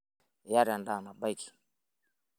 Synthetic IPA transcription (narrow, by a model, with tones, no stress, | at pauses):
ja˦ɾa˨nda˦˨na˨ba˦jki̥˨